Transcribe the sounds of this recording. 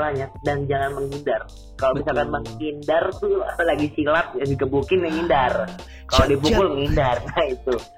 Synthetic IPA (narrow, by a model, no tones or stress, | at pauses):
lahɲadaŋd͡ʒaŋanməŋindar | kalomisalkanməŋindart̪ʊaalaɡisilat̪̚jasikəbukɪnəŋindar | kalodip̬ukʊlŋindarnait̪u